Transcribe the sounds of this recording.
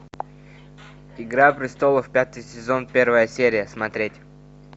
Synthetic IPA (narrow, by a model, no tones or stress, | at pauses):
ɪɡɾapɾʲɪst̪o̞lˠəfpʲat̪ɨjsʲɪzo̞npʲe̞rvəjəsʲeɾʲɪjəsmɐt̪ɾʲetʲ